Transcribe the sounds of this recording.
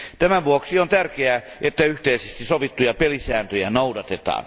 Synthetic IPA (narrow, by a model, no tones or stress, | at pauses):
t̪æmæʋuoksiont̪ærkeæ | ʔet̪ːæyht̪eisest̪isoʋit̪ːujɑpelisæːnt̪øjænoudɑt̪et̪ɑ̰ːn